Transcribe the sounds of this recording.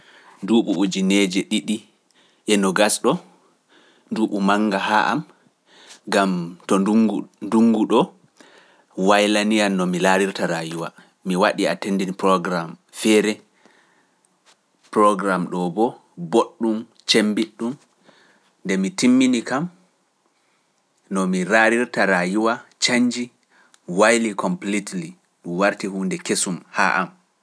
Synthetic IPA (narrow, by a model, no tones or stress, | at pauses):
nduːɓuud͡ʒinɛd͡ʒɛɗiɗi | ʔɛnɔɡasɗɔ | nduːɓumaŋɡaɦa̰ʔa̰m | ɡamtɔnduŋɡuɗɔ | wajlanianːɔmilaɾiɾtaɾajuwa̰ | miwaɗiatendinipɾɔɡɾam | fɛɾɛ | pɾɔɡɾamɗɔbɔ | boɗːum | t͡ʃembiɗːum | ndɛmitimːinikam | nɔmiɾaɾiɾtaɾajuwat͡ʃaɲd͡ʒi | wajlikʰɔmplitli | ɗumwaɾtihuːndɛkesumha̰ʔa̰m